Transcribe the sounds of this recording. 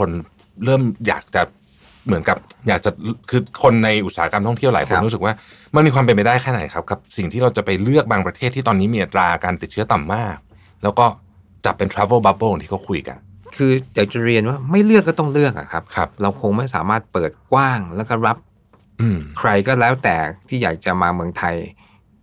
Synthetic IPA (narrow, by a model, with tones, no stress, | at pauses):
kʰo˧n | ɾɤː˥˩mja̰ː˨˩k̚t͡ɕa˨˩ | mɯ˩˦nka˨˩p̚jaː˨˩k̚t͡ɕa˨˩kʰɯː˧kʰo˧nːa˧jʔu˨˩saː˨˦˥ka˧mt̪ʰɔ˥˩ŋt̪ʰi˥˩əwlaː˨˦jkʰo˧ɾu˦˥sɯ˨˩k̚waː˥˩ | ma˧˥˩nmiː˧kʰaː˧p̬e˧pa˧jdaː˥˩jkʰɛː˥˩na̰˨˩˦jkʰa˦˥p̚ka˨˩p̚si˨˩ŋt̪ʰiː˥˩ɾa˧wt͡ɕa˨˩pa˧jlɯ˥˩ək̚baː˧ŋpɾa˧t̪ʰeː˥˩t̪ʰːiː˥˩t̪ɔː˧niː˦˥miː˧ʔa˨˩t̪ɾaː˧kaː˧nt̪i˨˩t̪̚t͡ɕʰɯ˦˥ət̪a˨˩mːaː˥˩k̚ | lɛː˦˥wkɔː˥˩ | t͡ɕa˨˩pːe˧nt̪ʰɾaː˦˥vo˥˩ba˦˥b̚oː˥˧˩nt̪ʰiː˥˩ka˦˥wkʰu˧jka̰˧nkʰɯː˧d̪i˩˦wt͡ɕa˨˩ɾi˧ənwaː˥˩ma˥˩jlɯ˥˩kːɔː˥˩t̪ɔ˥˩ŋlɯ˥˩ək̚ʔa̰˨˩kʰa˦˥p̚kʰa˦˥p̚ɾa˧wkʰo˧ŋma˥˩jsaː˩˦maː˥˩t̪̚pɤː˨˩t̪̚kwaː˥˩ŋlɛː˦˥wkɔː˥˩ɾa˦˥p̚ | ʔɯː˧mkʰɾa˧jkɔː˥˩lɛː˦˥wt̪ɛː˨˩t̪ʰiː˥˩jaː˨˩k̚t͡ɕa˨˩maː˧mɯ˧əŋt̪ʰa˧j